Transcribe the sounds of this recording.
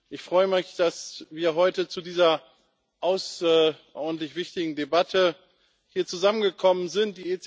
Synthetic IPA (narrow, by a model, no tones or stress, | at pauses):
ʔɪçfʁ̥ɔʏəmɪçd̥asviːɐɦɔʏtət͡sudiːzɐ | ʔaʊsʔɔ̰dn̩tlɪçv̥ɪçtɪɡŋ̩debatʰə | hiːɐt͡suzamənɡəkʰɔmənzɪnt̚d̥iːet͡s